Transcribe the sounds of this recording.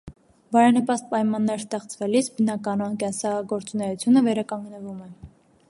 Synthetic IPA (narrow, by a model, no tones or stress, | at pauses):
bɑɾɑnəpɑst̪̚pɑjmɑnːɛɾst̪ɛχt͡svɛlisbənɑkɑnɔnkɛnsɑɡɔɾt͡sunɛjut͡sʰjunəvɛɾɑkɑŋɡnəvumɛ